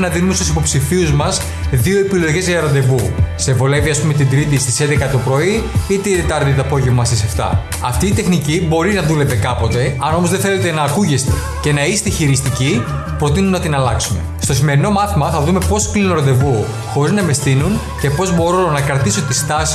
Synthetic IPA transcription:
nɐðinumest̪usipo̞psifiuzmɐs | ðio̞epilo̞ʝe̞zʝɐɾo̞nd̪e̞vuse̞vo̞le̞viɐspumet̪ind̪ɾit̪ist̪isend̪ekɐt̪opɾo̞iit̪eid̪et̪ɐɾðit̪oɐpo̞ʝe̞vmɐst̪iseft̪ɐ̰ | ɐft̪iːt̪e̞xnicibo̞ɾinɐðule̞pe̞kɐpo̞t̪e̞ɐno̞mo̞zðeθe̞le̞t̪e̞nɐːkuʝest̪e̞ | ce̞nɐist̪eçiɾist̪ici | pɾo̞t̪̬inunːɐt̪inɐlɐksume̞̰st̪o̞sime̞ɾino̞mɐθimɐθɐðume̞po̞sklinunɾod̪e̞vu | xo̞ɾiznɐme̞st̪inun | ce̞po̞zbo̞ɾo̞nɐkɾɐt̪isot̪ist̪ɐs

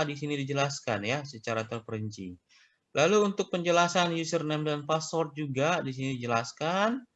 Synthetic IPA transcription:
disinidid͡ʒəlaskanjasət͡ʃaɾat̪ərpəɾəɲt͡ʃḭ | lʔaluːnt̪ʊk̚pəɲd͡ʒəlasanjusərnɛmdanpasɔrt̪̚d͡ʒuɡadis̬inidid͡ʒəlaskan

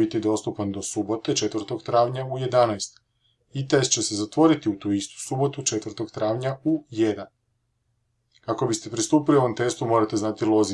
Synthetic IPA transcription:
it̪id̪o̞st̪upand̪o̞subo̞t̪e̞t͡ʃe̞t̪ʋrt̪o̞ɡt̪ɾaːʋɲauje̞d̪anajst̪ | it̪es̚t͡ɕe̞sezat̪ʋo̞ɾit̪iut̪uist̪u̥subo̞t̪ut͡ʃe̞t̪ʋɾt̪o̞ɡt̪ɾaːʋɲaujed̪an | kako̞bist̪e̞pɾist̪uːpilioomt̪e̞st̪umo̞ɾat̪e̞znat̪ilˠo̞zi

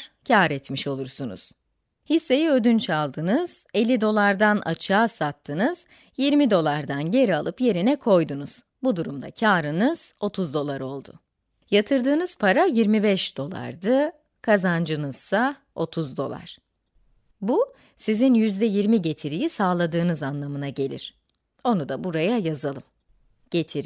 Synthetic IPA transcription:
cʰaːɾɛt̪miʃo̞lˠuɾsunṵz̥ | hisːe̞jiø̞d̪ynt͡ʃʰalˠd̪ɯnɯz̥e̞lʲːid̪o̞lˠaɾd̪anʔa̰t͡ʃʰaːsat̪ʰːɯnɯz̥ | jiɾmid̪o̞lˠaɾd̪anɟe̞ɾialˠɯpje̞ɾinɛkʰo̞jd̪unuz̥ | bud̪uɾumd̪a̰cʰaːɾɯnɯz̥o̞t̪ʰuzd̪o̞lˠaɾo̞lˠd̪ʊ̰ | jat̪ʰɯɾd̪ɯːnɯz̥pʰaɾajiɾmibɛʃd̪̥o̞lˠa̰ɾd̪ɯ | kʰazand͡ʒɯnɯz̥sa | o̞t̪ʰuzd̪o̞̰lˠa̰ɾ̥ | bu | sizinjyzd̪ɛjiɾmiɟe̞t̪ʰiɾijisaːlˠad̪ɯːnɯzanlˠamɯnaɟe̞lʲḭɾ̥ | o̞nud̪abuɾajajazalˠɯm | ɟ̥e̞t̪ʰiɾ

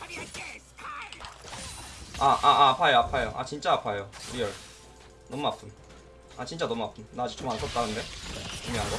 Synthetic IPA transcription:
aʔaʔaːpʰajoapʰajoʔa̰t͡ɕint͡ɕ͈aapʰajoiʌɭ | nʌmuapʰɯn | at͡ɕint͡ɕ͈anʌmuapʰɯnnaad͡ʑu̥k̚t͡ɕ͈ʰomankʰʌt̚t͈anɯnde̞kuŋmeɦanɡo

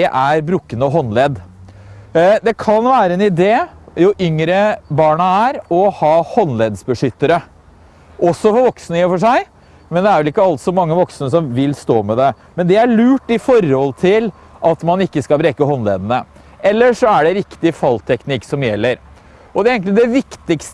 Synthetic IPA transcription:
ɛʔæɾbɾukːənəɔɦɔnlɛːd̪ | d̪ɛkʰɑnʋæːɾəɛnɪd̪eːjʊʔʏŋɾəbɑːɳɑæɾɔhɑːhɔnlɛd̪sbəʂʏt̪ːəɾə | ʔɔsːɔfɔɾʋɔksnəfɔʂæɪ | mɛnd̪ɛæɾʋɛlɪkːəɑlt̪sɔmɑŋːəʋɔksnəsɔmʋɪlst̪oːmɛd̪ɛ | mɛnd̪ɛæɭʉːʈːɪfɔɾhɔlt̪ʰɪl | ʔɑt̪mɑnɪkːəskɑlbɾeːkəɦɔnlḛːd̪ənə | ɛlːəʂɔæɖɛɾɪkt̪ɪfɑlt̪ʰɛknɪkːsɔmjɛlːəɾ | ɔd̪ɛæɾeːŋk̪lɪd̪ɛʋɪkt̪ɪkst̪ə

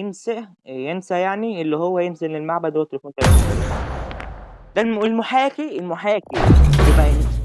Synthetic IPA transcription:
jensæ | jensæjaʕniʔelːihowːæjenzelːelmaʕbæd̪owæt̪ːelefuːnk̪ælæet̪ælḭ | d̪ælelmoħæːkiʔelmoħæːkilːibæʔæjensæ

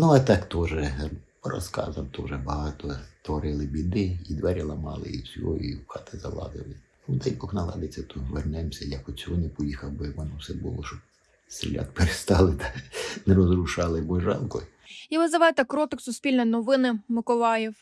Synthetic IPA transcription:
nuɐt̪ɑkt̪ɔʒɛ | ɾɔ̰skɑ̰zɐmt̪ɔʒɛbɐɦɑt̪ɔt̪ʋɔɾɪlˠɪbʲid̪ɪid̪ʋɛɾʲilˠɐmɑ̰lˠɪ̰ḭsʲṵḭxɑt̪ɪzɐ̰lˠɑ̰zɪ̰lˠɪnud̪ɛjbɔxnɐlˠɑ̰d̪ɪt͡sʲːɐt̪ɔʋernɛmsʲɐjɐkɔsʲɔɔnɪpɔjixɐwbɔʋɔnɔwsɛbṵlˠɔʃɔb̚ | st̪ɾʲḭlʲa̰t̪peɾest̪ɑlˠɪt̪ɑnɛɾɔzrʊʃɑlˠɪbɔʒɑ̰lˠkɔj | iʋɪzɐʋɑjt̪ɛkɾɔt̪ɪksʊsʲpʲilʲnɐnɔʋɪnɪmɪkɔlˠɑjɛw

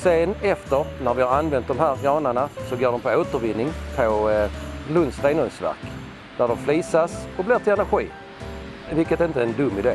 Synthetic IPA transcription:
sɛnɛft̪əɾnæɾvɪhaɾanvɛnt̪̚d̪ɔmɦæːɾɡɑːnəɳasɔɡoːɖɔmpʰɔoːt̪əɾvɪnːɪŋpʰə | lɵnsɾenɵnsvæ̰ɾk | d̪̥æɖɔmfliːsasɔblɪːɾt̪ʰɪlɛnæɾɧḭː | vɪlkət̪ɛɾɪnt̪əɛnd̪ɵmːɪd̪ḛː

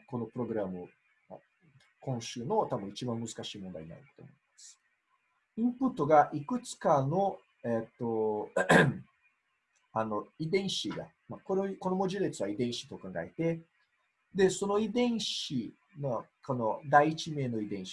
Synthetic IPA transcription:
ko̞no̞pɯ̟ɾo̞ɡɯ̟ɾamɯ̟ | a | kõ̞ɰ̃ɕɨːno̞t̪abɯ̟̃it͡ɕibãmːɯ̟zɨ̥kaɕiːmõnd̪a̰ina̰it̪t̪o̰moemasɨ̥ | ĩmpɯ̟t̪ːo̞ɡaʔikɯ̟t͡sɨ̥kano̞ | et̪ːo | ano̞id̪ẽ̞ɰ̃ɕiɡa̰ | mako̞ɾeko̞no̞mo̞ʑid̪et͡sɨβaid̪ẽ̞ɰ̃ɕi̥t̪o̞kãŋɡa̰e̞t̪e̞ | d̪e̞so̞no̞id̪ẽ̞ɰ̃ɕi | nokonod̪aiːt͡ɕime̞ːno̞id̪ẽ̞ɰ̃i̥

